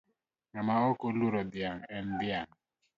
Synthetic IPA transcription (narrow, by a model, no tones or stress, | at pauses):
ŋamaokoluɾod̪jaŋɛnd̪jaŋ